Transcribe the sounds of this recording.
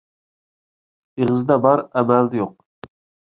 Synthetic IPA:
eʁɨzd̪ɛbɑɾæmæld̪ɛjoq̚

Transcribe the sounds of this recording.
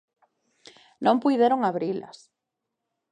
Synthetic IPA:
nõmpujðeɾoŋaβɾilɐ̰s

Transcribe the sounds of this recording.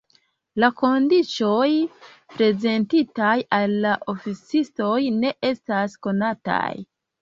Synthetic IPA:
lako̞ndit͡ʃo̞j | pɾe̞ze̞ntitajalːaʔofit͡sisto̞jne̞ʔe̞stasko̞nata̰j

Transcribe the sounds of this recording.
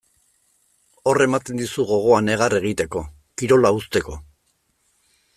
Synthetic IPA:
o̞re̞mat̪e̞nd̪usuɣo̞ɣ̞o̞ane̞ɣ̞are̞ɣ̞it̪e̞ko̞ | kiɾo̞laust̪e̞ko̞

